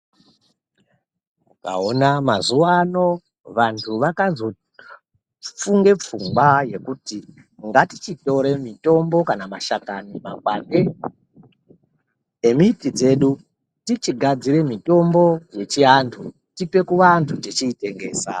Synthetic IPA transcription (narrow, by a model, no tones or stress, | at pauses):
uka̰onamazuwano̞ | ʋantʰuʋakazo̞ | p͡fuŋɡe̞p͡fuŋɡwaje̞kuti | ŋɡatit͡ʃito̞ɾe̞mito̞mbo̞kanamaʃakanima̰k̚wande̞ | emitid͡ze̞ɗu | tit͡ʃiɡʱad͡ziɾe̞mito̞mbo̞je̞t͡ʃiantʰu | tipe̞kuʋantʰutet͡ʃiːte̞ŋɡe̞̰ːsa̰